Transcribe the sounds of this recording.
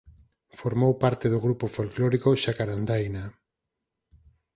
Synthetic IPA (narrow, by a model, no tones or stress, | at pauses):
foɾmowpaɾt̪eðoɣɾupofolklɔɾikoʃakaɾand̪ajna